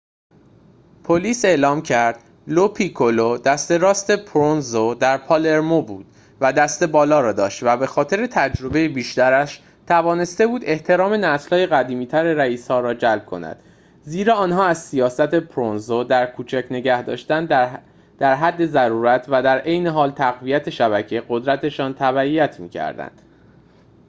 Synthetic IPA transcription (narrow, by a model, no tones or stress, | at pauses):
pʰoliːse̞ːʔlɒːmcʰæɾd̪̥ | lopʰikʰolod̪æst̪e̞ɾɒːst̪e̞pʰɾonzod̪æɾpʰɒːle̞ɾmobṵːd̪̥̚ | væd̪æst̪e̞bɒːlɒːɾɒːd̪ɒ̰ːʃt̪væbe̞xɒːt̪ʰe̞ɾet̪ʰæd͡ʒɾo̞be̞jebiːʃt̪æɾæʃ | t̪ʰævɒːne̞st̪e̞buːd̪e̞ht̪ʰe̞ɾɒːme̞næslhɒːje̞ɣæd̪iːmiːt̪ʰæɾeɾæiːshɒːɾɒːd͡ʒælb̥̚kʰo̞̰næ̰d̪̥ | ziːɾɒːɒːnɦɒːæzsijɒːsæt̪e̞pʰɾonzod̪æɾkʰuːt͡ʃʰæcʰne̞ɟæhd̪ɒ̰ːʃt̪ænd | d̪̥æɾɦæd̪ːe̞zæɾuːɾæt̪ʰvæd̪æɾʔejne̞ɦɒːlt̪ʰæɣvijæt̪ʰe̞ʃæbæcʰeɡo̞d̪ɾæt̪ʰe̞ʃɒːnt̪ʰæβæijæt̪ʰmḭːcʰæ̰ɾd̪æ̰nd̪̥